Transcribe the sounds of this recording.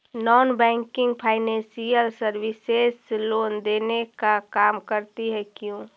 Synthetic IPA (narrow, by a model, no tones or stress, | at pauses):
nɔːnbɛ̃ːŋkɪ̃ŋɡpʰaːɪnɛ̃nsijəlsəɾʋɪseːsloːnd̪eːnekakaːmkəɾt̪iɦɛkjũː